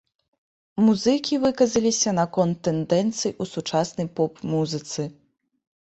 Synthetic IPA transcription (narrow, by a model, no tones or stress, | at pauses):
muzɨkʲivɨkɐzɐlʲisʲɐnɐkɔnt̪ːɛnd̪ɛnt̪sɨjʔusut͡ʂasnɐjpɔpmuzɨt̪sɨ